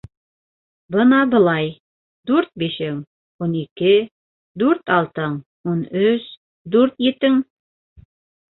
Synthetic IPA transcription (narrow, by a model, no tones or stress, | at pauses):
bɤnɑbɤ̆lˠɑj | d̪ʉɾt̪̚biʃɘŋ | unikɘ | d̪ʉɾt̪ɑlˠt̪ɤɴ | unɵs | d̪ʉɾt̪jĕt̪ɘŋ